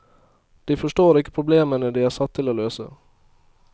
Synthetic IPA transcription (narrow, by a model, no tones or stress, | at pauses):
d̪̥iːfɔʂʈoːɾɪkːə̥pʰɾʊbleːmənəd̪iːæːsɑt̪ʰːɪloːløːsə̰